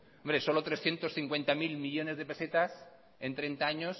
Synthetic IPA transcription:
ombɾeso̞lot̪ɾe̞sθje̞nt̪o̞sθiŋkwe̞nt̪amilmiʎo̞ne̞zðe̞pe̞se̞t̪as | e̞nt̪ɾe̞nt̪aaɲo̞s

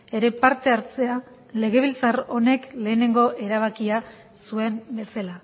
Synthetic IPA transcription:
e̞ɾe̞paɾt̪e̞aɾt͡se̞a | le̞ɣ̞e̞β̞ilt͡saro̞ne̞kle̞ːne̞ŋɡo̞ʔe̞ɾaβ̞akia | sue̞mbe̞sala

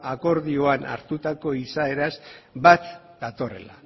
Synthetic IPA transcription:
ako̞ɾðio̞ana̰ɾt̪ut̪ako̞isae̞ɾazbat̪ | d̪at̪o̞re̞̰la̰

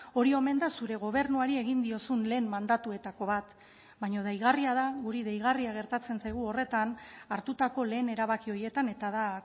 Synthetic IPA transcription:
o̞ɾio̞me̞nd̪asuɾe̞ɣ̞o̞β̞e̞ɾnuaɾie̞ɣind̪io̞sunle̞ːmmand̪at̪ue̞t̪ako̞βat̪ | bajɲo̞ð̞ejɣ̞ariað̞aɣuɾiðejɣ̞ariaɣe̞ɾt̪at͡se̞nsajɣ̞uo̞re̞t̪anaɾt̪ut̪ako̞le̞ːne̞ɾaβakio̞je̞t̪ane̞t̪aða

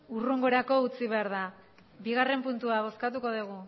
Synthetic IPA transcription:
uruŋɡo̞ɾako̞ut͡siβe̞aɾða | biɣ̞are̞mpunt̪uaβ̞o̞skat̪uko̞ðuɣ̞u

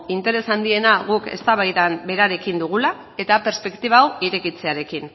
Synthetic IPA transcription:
int̪e̞ɾe̞sand̪ie̞naɣuke̞̰st̪aβ̞ajðambe̞ɾaɾe̞kind̪uɣ̞ula | e̞t̪ape̞ɾspe̞kt̪iβaːwiɾe̞kit͡se̞aɾe̞kin

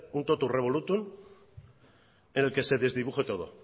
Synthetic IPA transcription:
unt̪ot̪ure̞β̞o̞lut̪un | ene̞lke̞se̞ðe̞zðiβuχet̪o̞ðo̞̰

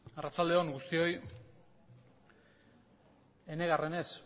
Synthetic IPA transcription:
arat͡sald̪e̞o̞ŋɡust̪io̞j | e̞ne̞ɣare̞ne̞s

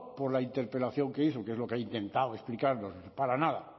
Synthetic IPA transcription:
poɾlaint̪e̞ɾpe̞laθjo̞ŋke̞iθokeezlo̞keeint̪e̞nt̪aoesplikaɾnospaɾanaða

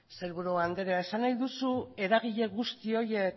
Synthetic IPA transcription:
se̞lβuɾuand̪e̞ɾeae̞sanajðusue̞ɾaɣiʎe̞ɣust̪io̞je̞k

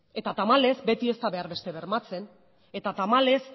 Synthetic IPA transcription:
e̞t̪at̪amale̞zbe̞t̪ie̞st̪aβe̞aɾβe̞st̪e̞βe̞ɾmat͡se̞n | e̞t̪at̪amale̞s

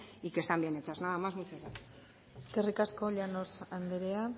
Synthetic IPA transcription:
ikest̪ambienet͡ʃaznaðamazmut͡saɾa | eske̞rikasko̞ʎano̞sand̪eɾea

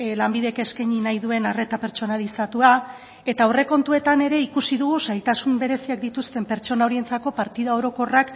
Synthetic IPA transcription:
lambiðe̞ke̞skeɲinajðue̞nare̞t̪ape̞ɾt͡ʃo̞nalisat̪ua | e̞t̪aore̞ko̞nt̪ue̞t̪ane̞ɾe̞ikusiðuɣ̞usajt̪asumbe̞ɾe̞siak̚d̪it̪ust̪e̞mpe̞ɾt͡ʃo̞nao̞ɾient͡sako̞paɾt̪iðao̞ɾo̞ko̞rak

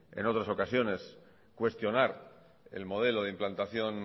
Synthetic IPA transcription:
e̞̰no̞t̪ɾaso̞kasjo̞ne̞s | kwe̞st̪jo̞naɾ | e̞̰lmo̞ð̞e̞lo̞ð̞e̞implant̪aθjo̞n

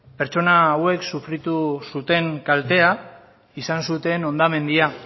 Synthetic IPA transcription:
pe̞ɾt͡ʃo̞naːwe̞ksufɾit̪usut̪e̞ŋkalt̪e̞a | isansut̪e̞no̞nd̪ame̞nd̪ia

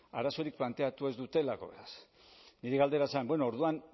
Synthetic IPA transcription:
aɾaso̞ɾik̚plant̪e̞at̪ue̞zd̪ut̪e̞lako̞̰βe̞ɾas | niɾeɣald̪e̞ɾasambweno̞ːɾðuan

